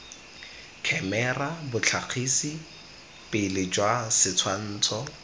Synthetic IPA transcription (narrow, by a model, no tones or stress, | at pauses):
kʰɛmɛrabʊt͡ɬʰaq͡χʰisi | pɪlɪd͡ʒwasɪt͡sʰwan̩ːt͡sʰɔ